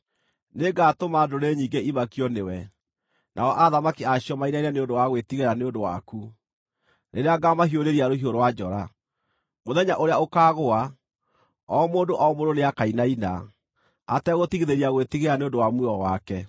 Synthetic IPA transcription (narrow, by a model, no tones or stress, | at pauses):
neɡatomadoɾeɲiːŋɡeimakiɔnewɛ | nʔaɔʔaðamakiaɕiɔmainaiɾaneondowaɣwetiɣeɾaneondowa̰ku | neɾeaɡamaɦioɾeɾiaɾoɦioɾowad͡ʑɔɾa | moðɛɲaʔoɾeaokaːɣoa | ɔmoːndoʔɔɔmoɾoneakainaina̰ | atɛɣotiɣiðeɾiaɣwetiɣeɾaneondowamwiɔwakɛ